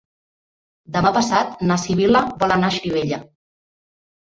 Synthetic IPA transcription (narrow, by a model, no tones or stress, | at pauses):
d̪əmapəsat̪nasiβiləbɔlənaʃɾiβ̞eʎə